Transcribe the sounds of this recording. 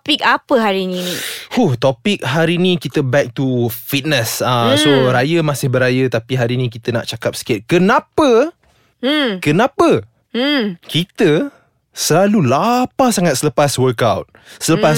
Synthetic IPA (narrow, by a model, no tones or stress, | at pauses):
pik̚apəɦaɾininiuht̪opɪk̚ɦaɾinikit̪əbɛk̚t̪ufit̪̚nəsasoɾajəmãsɪhbəɾajət̪apiɦaɾinĩk̬it̪əna̰ʔt͡ʃakap̚sə̥kɪt̪̚kənapə | kənapə | kit̪ə | səlalulapasaŋat̪̚sələpaswəkawt̚sələpas